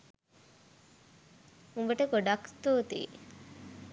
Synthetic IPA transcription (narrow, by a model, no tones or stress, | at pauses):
umbəʈəkoɖakt̪uːt̪ḭː